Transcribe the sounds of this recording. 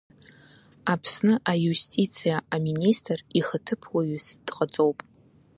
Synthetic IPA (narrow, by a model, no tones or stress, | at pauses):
apʰsnɨʔajustʼit͡sʰijaaministʰʼriχətʰɨpʰwaɥusdʼqʼət͡sʼo̞wpʼ